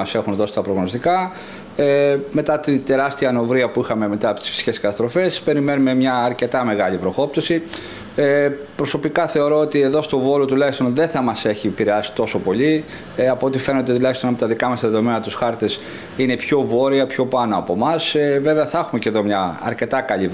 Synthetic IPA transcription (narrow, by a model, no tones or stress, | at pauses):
ɐse̞xunðo̞si̥t̪ɐpɾoɣno̞st̪ikɐ | eme̞t̪ɐt̪ind̪e̞ɾɐst̪iɐno̞vɾiɐpuixɐmeme̞t̪ɐɐpo̞t̪i̥sfi̥si̥ce̞skɐt̪ɐst̪ɾo̞fe̞spe̞ɾime̞nume̞mɲɐːɾce̞t̪ɐme̞ɣɐʎipɾo̞xo̞p̚t̪osi | epɾo̞so̞pikɐθe̞o̞ɾo̞ot̪ie̞ðo̞st̪o̞vo̞lo̞t̪ulɐçist̪onðe̞θɐmɐse̞çipiɾeɐsi̥t̪o̞so̞po̞ʎi | ɐpoot̪ife̞nod̪e̞t̪ulɐçist̪onɐpt̪ɐðikɐmɐsɐðe̞ðo̞me̞nɐt̪usxɐɾt̪e̞s | ine̞pço̞vo̞ɾiɐpço̞pɐnoɐpo̞mɐseve̞veɐθɐexumeceðo̞mɲɐɐ̰ɾce̞t̪ɐkɐʎi